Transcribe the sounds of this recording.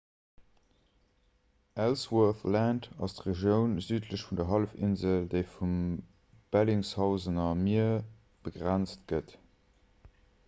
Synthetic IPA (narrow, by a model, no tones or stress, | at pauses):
ʔælswəθlæntɑ̰stʁeʒjəʊnzyːtʰləɕfundɐɦɑlfḭnzəldeɪfum | b̥æliŋshɑʊzənɐmiɐ | b̥əɡʁænt͡stɡ̥ət